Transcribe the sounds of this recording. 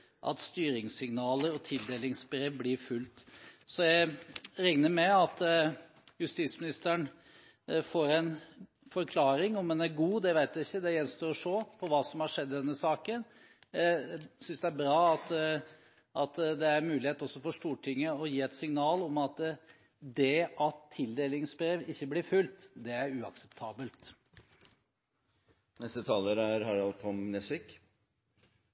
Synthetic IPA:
ʔɑ̰t̪st̪yːɾɪŋsɪŋnɑːləɾɔt̪ʰɪld̪eːlɪŋsbɾeːʋblɪɾfʉlt̪sɔjæɪɾɛŋnəɾmɛɑt̪ | jʉst̪iːt̪smɪnɪst̪əəɳ | foːɾɛn | fɔɾkʰlɑːɾɪŋɔmɛnæɾɡuːd̪ɛʋæɪt̪jæɪçːəd̪ɛjɛnst̪oːɾɔʂoːpʰɔʋɑːsɔmhɑʂɛd̪ːd̪ɛnːəsɑːkən | sʏnsd̪ɛæɾbɾɑːɑt̪ | ʔɑt̪d̪ɛæɾmʉːlɪheːt̪ɔsːɔfɔʂʈ̪uːʈʰɪŋːəɔjiːɛt̪sɪŋnɑːlɔmɑt̪ | d̪ɛʔɑt̪ʰːɪld̪eːlɪŋsbɾeːʋɪçːəblɪɾfʉlt̪d̪ɛæɾʉːɑksɛ̥pt̪ʰɑːbəlt̪ | nɛst̪ət̪ʰɑːləɾæɾhɑɾɑlt̪ʰɔmnɛsɪk

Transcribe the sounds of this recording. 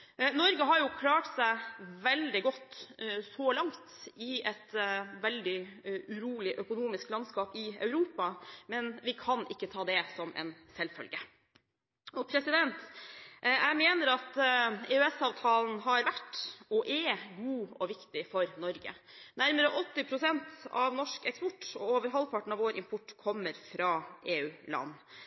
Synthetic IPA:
nɔɾɡəɦɑɾjʊkʰlɑːʈsæɪʋɛld̪ɪɡɔt̪ːsɔlɑŋt̪ɪɛt̪ʋɛld̪ɪʉɾuːlɪʔœkʊnuːmɪsklɑnskɑːpɪœ̰ʉɾuːpɑmɛnʋɪkʰɑnʔɪkːət̪ʰɑːd̪ɛsɔmɛ̰nsɛlfœ̰lɡə | ɔpʰɾɛsɪd̪ɛnt̪ʔʔæɪmeːnəɾɑt̪eːʉɛsɑːʋt̪ʰɑːln̩ɦɑɾʋæʈːɔʔɛɡuːɔʋɪkt̪ɪfɔɾnɔɾɡə̰ | næɾməɾəʔɔt̪ːɪpʰɾʊsɛnt̪ɑ̰ʋnɔʂkɛkspɔʈːɔoːʋəɾɦɔlːpʰɑʈɳ̩ɑʋoːɾʔɪmpʰɔʈːkʰɔmːəɾfɾɑːʔeːʉːlɑ̰nː

